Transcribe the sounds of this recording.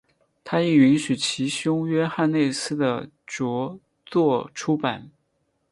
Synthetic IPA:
t̪ʰa˥i˥˩y˧˥nɕy˨˩t͡ɕʰi˧˥ɕjʊ˥ŋɥɛ˥xa˥˧nne˥˩ɪsɹ̩˥d̪ə̰˨ | ʈ͡ʂwɔ˧˥ | t͡swɔ˥˧ʈ͡ʂʰu˥pa˨˩˦n

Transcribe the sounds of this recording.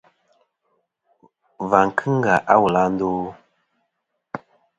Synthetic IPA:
va˨ŋ˨kʰɨ˦ŋ˦ɡa˨ʔa˦wu˨la˦n̩˦do˦

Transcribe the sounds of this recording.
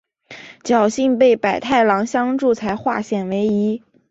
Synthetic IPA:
t͡ɕjɑ˨˩ʊɕi˥˧ŋpe˥˩ɪpa˨˩ɪt̪ʰa˥˩ɪlɑ˧˥ŋɕjɑ˥ŋʈ͡ʂu˥˩t͡sʰa˧˥ɪxwa̰˥˧ɕjɛ˨˩nwe˧˥ɪi˧˥

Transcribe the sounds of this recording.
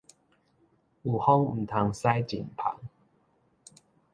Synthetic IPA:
u˨˩hɔ˦ŋm̩˨˩t̪ʰa˨˧ŋsa˦jt͡ɕḭ˨˩npʰa̰˨˦ŋ

